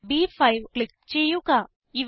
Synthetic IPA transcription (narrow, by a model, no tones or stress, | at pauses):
biːfʰajʋklɪk̚t͡ʃejuka | iʋ